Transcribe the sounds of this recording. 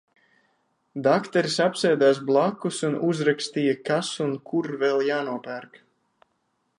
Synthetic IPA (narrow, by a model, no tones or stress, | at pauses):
d̪akt̪ɛɾisapsɛjd̪aːs̬blˠakːusunuzɾakst̪iːjakasunkʰuɾvɛlˠjaːnuɔpæɾk